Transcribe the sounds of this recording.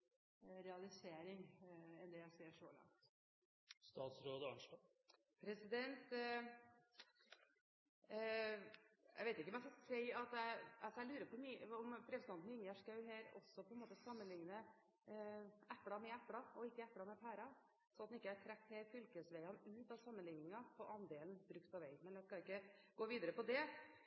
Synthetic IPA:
ɾɛɑlɪseːɾɪŋɛnd̪ɛjæɪseːʂoːlɑ̰ŋt̪ | st̪ɑːt̪sɾoːd̪əɑɳʂlɑ | pʰɾɛsɪd̪ɛnt̪ | æ̰ɪʋeɪt̪ɪkːəɔmɛæsɔsɛɪɑt̪æɪsæɪlʉːɾəpʰɔmiɔmpʰɾɛsd̪ɑnt̪nʏŋæʂkɑʉɦæːɾɔ̰sːɔpʰɔɛnmoːt̪əsɑmːənlɪŋnə | æpːɽɑmɛæpːɽɑɔɪkːəæpːɽɑmɛfæːɾɑ | sɔɑt̪nɪkːəæʈʰɾækt̪hɛːfʏlkəsʋæɪɑnʉːt̪ɑʋsɑmːənlɪŋnɪŋɑpʰɔʔɑnd̪eːlnbɾʉk̚t̪̚pʰɑʋæɪmɛnæskɑɪkːəɡ̥oːʋiːd̪əɾəpɔd̪ɛ

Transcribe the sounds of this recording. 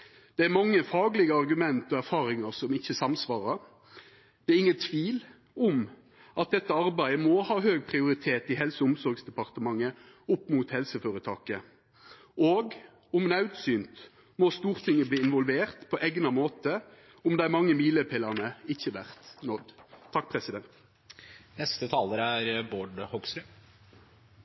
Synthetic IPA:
d̪̥ɛæɾmɑŋːəfɑːɡlɪɡəɑʁɡʉmɛnt̪ɔæʁfɑːʁɪŋəʁsɔmɪçːəsɑmsʋɑːʁəɾ | d̪̥ɛæɾɪŋːənt̪ʰʋiːl | ʊm | ɑt̪̚d̪ɛt̪ːəɑɾbæɪəmɔːhɑːhøːɡ̚pʰʁɪʊɾɪt̪ʰeːt̪ɪhɛlsəʊmsɔɾɡsd̪ɛpɑʁt̪əmɑŋːə | ʊpːmuːt̪hɛlsəføːɾət̪ʰɑ̰ːkə | oːɡ | ʊmnɑʉt̪syːnt̪ | mɔst̪uːʁt̪ʰɪŋːəbliːɪnʋɔlʋeːʁt̪pʰɔʔɛɡnɑmoːt̪ə | ʊmd̪ɛæmɑŋːəmiːləpʰɪlːəʁnəɪçːəʋæʁt̪nɔd̪t̪ʰɑk̚ːpʰʁɛsɪd̪ɛnt̪ | nɛst̪ət̪ʰɑːləɾæɾboːɖhɔɡsɾʉ

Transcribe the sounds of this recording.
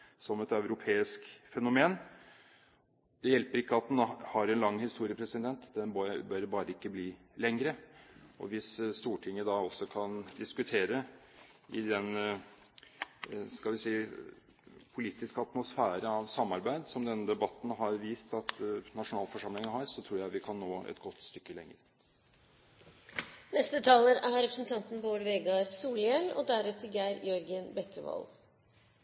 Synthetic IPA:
sɔmɛt̪ɑʉɾʊpʰeːɪskfɛnʊmeːn | d̪̥ɛjɛlpəɾɪkːəɑt̪̚d̪ɛnhɑɾɛnlɑŋːhɪst̪uːɾɪəpʰɾɛsɪd̪ɛnt̪d̪ɛnbbœɾbɑːɾəɪkːəbliːlɛŋɾəɔ̰ʋɪsst̪uːʈʰɪŋːəd̪ɑɔsːɔkʰɑnd̪ɪskʉt̪ʰeːɾə | ɪd̪ɛn | skɑlʋɪsɛː | pʰʊliːt̪ɪskəɑt̪mʊsfæːɾəɑʋsɑmːɑɾbæɪd̪sɔmd̪ɛnːəd̪ɛbɑt̪ːn̩ɦɑɾʋiːst̪ɑt̪nɑʂʊnɑːlfɔʂɑmlɪŋəɦɑɾsɔt̪ʰɾuːɾjæɪʋɪkʰɑnːoːɛ̰t̪ɡɔt̪ːst̪ʏkːəlɛŋːə̰ɾ | nɛst̪ət̪ʰɑːləɾæɾɾɛpɾəsn̩t̪ʰɑnt̪n̩boːɾʋɛɡɑɾsuːljɛlːɔ̰d̪æɾʉt̪ʰəɡæɪɾjœɾɡənbɛkəʋɑ̰l

